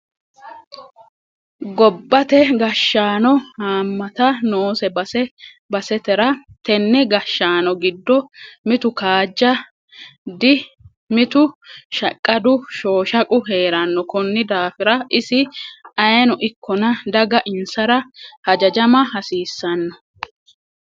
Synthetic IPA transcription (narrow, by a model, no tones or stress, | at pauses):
ɡɔbːɐt̪ɛɡɐʃːaːnɔhaːmːɐt̪ɐnoːsɛbɐsɛ | bɐsɛt̪ɛɾɐt̪ɛnːɛɡɐʃːaːnɔɡɪd̪ːɔmɪt̪ʊkaːd͡ʒːɐ | d̪ɪ | mɪt̪ʊʃɐkʼːɐd̪ʊʃo̞ːʃɐkʼʊɦe̞ːɾɐnːɔkɔnːɪd̪aːfɪɾɐʔɪsɪɐjɛnɔʔɪkʰːɔnɐd̪ɐɡɐʔɪnsɐɾɐhɐd͡ʒɐd͡ʒɐmɐhɐsiːsːɐnːɔ